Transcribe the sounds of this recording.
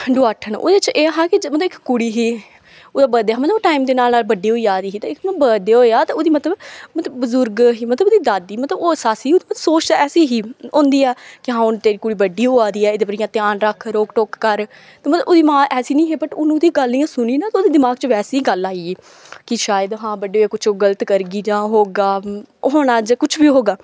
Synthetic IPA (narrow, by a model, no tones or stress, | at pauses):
ɖʊaːʈʰəno̰ːd̪et͡ʃeːɦaːkɪmət̪ləbɪkːʊɽiːɦiː | ʊd̪aːbəd̪eːaːmət̪ləbʈaːimd̪eːnaːlnaːlbəɖːiːɦoːiːaːd̪iːɦiːt̪ãɪkːmətbəd̪eːɦoːeaːt̪aːʊd̪iːmət̪ləbmət̪ləbbəzʊɾɡɦiːmət̪ləbʊd̪iːd̪aːd̪iːmət̪ləboːsaːsiːʊd̪iːməə̥soːt͡ʃ̪ːɛːsiːɦiːõːnd̪iːɛːkɪɦãːʊnt̪eːɾiːkʊɽiːbəɖiːɦoːaːd̪iːɛːɪd̪eːpəɾɪjãːt̪ɪaːnɾəkʰːɾoːkʈoːkːəɾ | t̪eːmət̪ləbʊd̪iːmãːʔɛːsiːnĩːɦeːbəʈʊnũːd̪ĩɡəlːijãːsʊnĩːnãːt̪aʊːd̪iːd̪ɪmaːɡt͡ʃəʋɛːseːiːɡəlaːieː | kɪʃaːjəd̪ɦãːbəɖeːoɛːkʊt͡ʃʰoːɡələt̪kəɾɡiːd͡ʒãːɦoːɡaː | ɦoːñaːd͡ʒkʊt͡ʃʰbiːɦoːɡaː